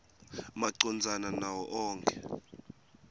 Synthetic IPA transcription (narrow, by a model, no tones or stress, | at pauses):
maǀɔnd͡zʱananawɔʔɔːŋkʰʼɛ